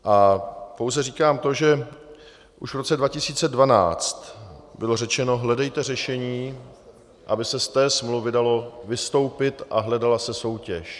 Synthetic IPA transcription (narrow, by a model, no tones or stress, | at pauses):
ʔapowzɛriːkaːmt̪o̞ʒɛ | ʔuʃvɾo̞t͡sɛdvacɪsiːt͡sɛdvana̰ːt͡st̪bɪlo̞rɛt͡ʃɛno̞ɦlɛdɛjt̪ɛr̝ɛʃɛɲiː | ʔabɪsɛst̪ɛːsmluvɪdalo̞vɪst̪o̞wpɪt̪ʔa̰ɦlɛdalasɛso̞wcɛ̰ʃ